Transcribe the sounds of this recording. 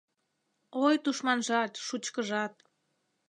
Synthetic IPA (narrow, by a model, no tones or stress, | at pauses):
ojt̪uʃmɑnʒɑt̪ʃut͡ɕkəʒɑt̪̚